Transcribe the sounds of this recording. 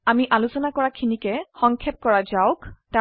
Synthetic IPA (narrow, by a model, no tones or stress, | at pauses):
amiʔalusɔnakɔɹakʰinikɛxɔŋkʰɛp̚kɔɹazaʊkta